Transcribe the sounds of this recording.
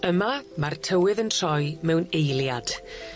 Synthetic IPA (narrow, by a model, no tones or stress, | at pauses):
əmamartʰəwɪðəntʰr̥ɔjmɛwnejlˠjad̥